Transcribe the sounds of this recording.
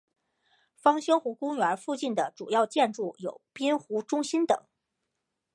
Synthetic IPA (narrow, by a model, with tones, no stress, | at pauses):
fɑ˥ŋɕjɤ˥ŋxu˧˥kʊ˥ŋɥə˧˥fu˥˧t͡ɕi˥˩nd̪ə˩ʈ͡ʂu˨˩jɑ˥˧ʊt͡ɕjɛ˥˧nʈ͡ʂu˥˩jo̰˨˩ʊpi˥nxu˧˥ʈ͡ʂʊ˥ŋɕi˥nt̪ɤ̰˨˩˦ŋ